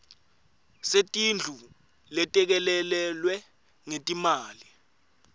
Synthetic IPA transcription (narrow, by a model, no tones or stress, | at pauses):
setʼind͡ɮʱu | lɛtʼɛk̬ɛlɛlɛlwɛ | ŋetʼimaːli